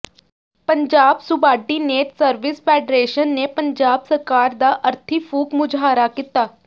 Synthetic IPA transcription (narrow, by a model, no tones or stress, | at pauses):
pəɲd͡ʒaːbsʊbaːɖiːneːʈsəɾʋɪspʰɛːɖɾeːʃənːeːpəɲd͡ʒaːbsəɾkaːɾd̪aːʔəɾt̪ʰiːpʰuːkmʊd͡ʒɦaːɾaːkit̪aː